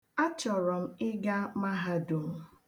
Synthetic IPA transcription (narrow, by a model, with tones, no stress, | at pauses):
a˦t͡ʃɔ˨ɾɔ˨m̩˦ɪ˦ɡa˦ma˦ɦa˦du˨m̩˦